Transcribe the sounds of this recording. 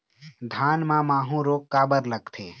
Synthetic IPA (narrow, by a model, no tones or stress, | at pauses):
d̪ʱaːnmãmaːɦũɾokːaːbəɾləɡt̪ʰḛ